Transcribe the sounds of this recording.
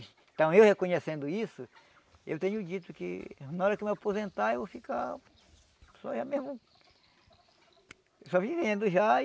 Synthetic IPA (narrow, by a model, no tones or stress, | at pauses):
t̪ɐ̃w̃ewhekõɲesẽnd̪ʊisʊ | ewt̪ẽɲʊd͡ʒit̪ʊkɪ̰nãɔɾɐkɪmeapozẽnt̪aewfika | sɔ̰ʒamezmʊ | sɔvivẽnd̪ʊʒa